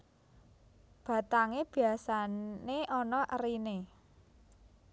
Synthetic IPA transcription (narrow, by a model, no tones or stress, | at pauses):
b̥a̤t̪aŋeb̥i̤asaneʔɔnɔʔərine